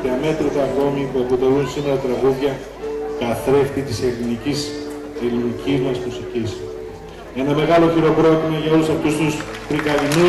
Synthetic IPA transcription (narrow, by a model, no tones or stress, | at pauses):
ðiɐme̞t̪ɾit̪ɐɣno̞mipuɐpo̞t̪e̞lunsino̞ɾɐt̪ɾɐɣuðʝɐ | k̪ɐθɾe̞ft̪it̪ise̞ɾlinicis | elinicizmɐsmusicis | e̞nɐme̞ɣɐlo̞çiɾo̞pɾo̞t̪imɐʝɐo̞lusɐft̪ust̪ust̪ɾikɐðinu